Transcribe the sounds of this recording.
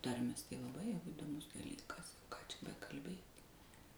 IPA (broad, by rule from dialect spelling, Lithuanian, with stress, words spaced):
ˈtɐrʲmʲeːs tɐɪ lˠɐˈbɐɪ jɛʊ iːdoːˈmʊs dɐˈlʲiːkɐs kɑː t͡ʃʲɛ bʲɛkɐlʲˈbʲeːtʲ